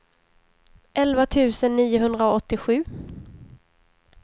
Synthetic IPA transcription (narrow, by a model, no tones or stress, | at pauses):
ʔɛlvat̪ʰʉ̟ːsənːiːʊɦɵnd̪ɾaɔt̪ːɪɧʉ̟ː